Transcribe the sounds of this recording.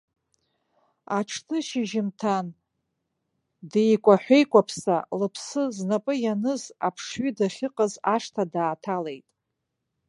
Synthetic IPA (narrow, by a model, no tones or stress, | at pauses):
aʈ͡ʂʰtʰɨʃɪʒɪmtʰan | dejkʷʼaħʷejkʷʼapʰsalɨpʰsɨznapʼɨjanɨzapʰʂɥidaχʲɪqʼazaʂtʰadaːtʰale̞jtʼ